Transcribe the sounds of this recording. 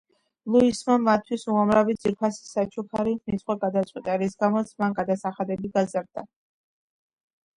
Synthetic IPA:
lˠuismamat̪ʰːwisuamɾavid̪z̥iɾpʰasi̥sat͡ʃʰukʰaɾinit̪sʰʼχʼwaɡad̪at̪sʼit̪ʼaɾisɡamɔt̪sʰmanɡad̪asaχad̪ɛbiɡazaɾd̪̥a

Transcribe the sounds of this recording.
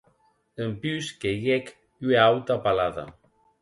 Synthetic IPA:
əmpyskeɣɛk | yeawt̪apalaða̰

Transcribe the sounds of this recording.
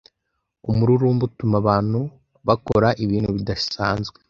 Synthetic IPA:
umuɾuɾumbutumaβaːn̥hu | βakoɾaʔiβiːnhuβidḁsaːnzɡwe

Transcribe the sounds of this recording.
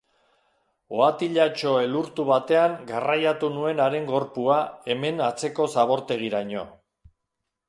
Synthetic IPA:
o̞at̪iʎat͡ʃo̞eluɾt̪uβat̪e̞aŋɡarajat̪unue̞naɾe̞ŋɡo̞ɾpuae̞me̞nat͡se̞ko̞saβ̞o̞ɾt̪e̞ɣ̞iɾaɲo̞̰

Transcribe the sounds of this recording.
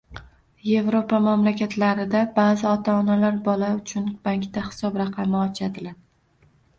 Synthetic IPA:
je̞vɾopamamlakʲat̪ʰlaɾɪd̪abazɪɒt̪ʰaːnalaɾbɒlaʊt͡ʃʰʊnb̥aŋkʲt̪ahɪ̥sɒbɾɑqʰɑmɪɒt͡ʃʰad̪ɪlaɾ

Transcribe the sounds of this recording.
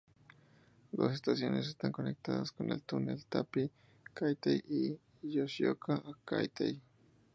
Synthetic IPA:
d̪o̞sest̪asjo̞ne̞sest̪aŋko̞nek̚t̪aðaskonelt̪unelt̪api | kajt̪eji | josjokʰaʔaka̰jt̪ej

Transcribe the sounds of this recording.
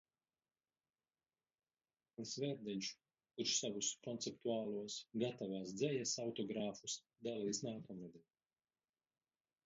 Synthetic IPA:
alisvɛɾd̪ɛɲt͡ʃu̥ | kuɾʃsavuskɔnt̪sɛpt̪uaːlˠuɔsɡat̪avaːsd̪zɛjasawt̪ɔɡɾaːfus | d̪aliisnaːkɔmɾɛd̪ɛ

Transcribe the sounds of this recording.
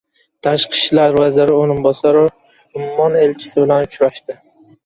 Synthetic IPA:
t̪ʰaʃqʰɨ̥ʃlaɾvazɪɾɪoɾɪnbɒsaɾɪ | ʊmmːɒne̞lt͡ʃʰɪ̥sɪbɪlankʲʰʊɾaʃt̪ɪ

